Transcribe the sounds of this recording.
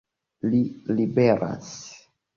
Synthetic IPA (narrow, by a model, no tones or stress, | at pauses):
lilibeɾʔa̰s